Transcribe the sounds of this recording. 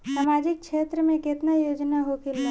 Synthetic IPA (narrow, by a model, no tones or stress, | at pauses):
samaːd͡ʒɪk̚kʃeːt̪ɾəmẽket̪najoːd͡ʒnaɦokʰɪle